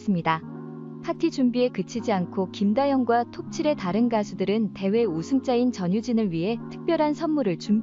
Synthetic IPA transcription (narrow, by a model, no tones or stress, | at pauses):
s͈ɯmɲida | pʰatʰid͡ʑumbie̞kɯt͡ɕʰid͡ʑiankʰokimdajʌŋɡwatʰop̚t͡ɕʰiɾe̞taɾɯnɡasʰudɯɾɯnte̞we̞usʰɯŋt͡ɕ͈aint͡ɕʌɲud͡ʑinɯɭɥiɦe̞tʰɯ̥k̚p͈jʌɾɦansʰʌnmuɾɯɭt͡ɕum